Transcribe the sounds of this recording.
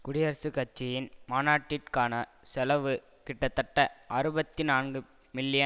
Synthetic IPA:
kʊɽɪjɐɾɐsɯkɐt͡ʃːɪjɪnmaːnaːʈːɪʈkaːnɐ | sɛlɐʋɯ | kɪʈːɐt̪ːɐʈːɐʔɐɾɯbɐt̪ːinaːnɡɯ | mɪlːɪjɐ

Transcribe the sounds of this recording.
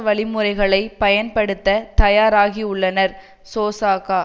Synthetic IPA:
ʋɐɭɪmɯɾɐɪɣɐɭɐɪpɐjɐnpɐɽɯt̪ːɐt̪ɐjaːɾaːɣiʊɭːɐnɐɾ | soːsaːkaː

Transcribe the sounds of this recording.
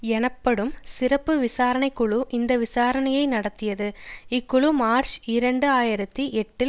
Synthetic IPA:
ɛnɐpːɐɽɯmsɪɾɐpːɯʋɪsaːɾɐnɐɪkːʊɭuʔɪnd̪ɐʋɪsaːɾɐnɐjɐɪnɐɽɐt̪ːɪjɐðɯɪkːʊɭumaːɾt͡ʃɪɾɐɳɖɯaːjɪɾɐt̪ːiʔɛʈːɪl

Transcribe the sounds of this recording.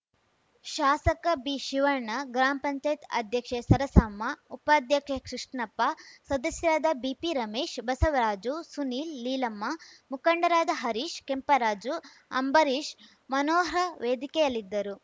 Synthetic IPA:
ʃaːsɐkɐbiʃiʋɐɾɳɐɡɾaːmpɐɲt͡ʃaːjit̪ɐ̰d̪ʱjɐkʂesɐɾɐsɐmːɐupaːd̪ʱjɐkʃekɾiʂʈɳɐpːasɐd̪ɐsjɐɾaːd̪ɐbiːpiɾɐmeːʃbɐsɐʋɐɾaːd͡ʒusuniːlːiːlɐmːɐmukɐɳɖɐɾaːd̪ɐɦɐɾiːʃkempɐɾaːd͡ʒu | ɐ̰mbɐɾiːʃ | mɐnoːɾɐʋeːd̪ikɛjɐlːid̪ːɐɾu

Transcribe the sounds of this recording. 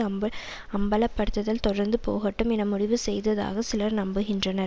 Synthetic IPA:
ɐmbɐ | ɐmbɐlɐpːɐɽɯt̪ːɐðɐlt̪ɔɽɐɾnd̪ɯpo̰ːɣɐʈːɯmɛnɐmʊɽɪʋɯsɛjðɐða̰ːɣɐsɪlɐɾnɐmbɯɣɪndrɐnɐɾ

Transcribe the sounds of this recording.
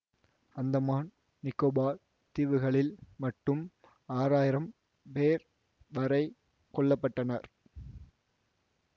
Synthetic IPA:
ɐnd̪ɐmaːn | nɪkːoːbaːɾ | t̪ɪʋɯɣɐɭɪlmɐʈːɯm | aːɾaːjɪɾɐm | peːɾ | ʋɐɾɐɪ | kɔɭːɐpːɐʈːɐnɐɾ

